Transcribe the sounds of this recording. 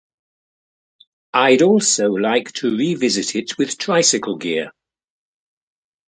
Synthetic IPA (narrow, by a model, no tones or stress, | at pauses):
ʔaɪɾɔˑlˠsoʊlaɪktʰəɹivɪzɪtʰɪtwɪð̥tʰɹ̥aɪsɪkʰəlˠɡɪə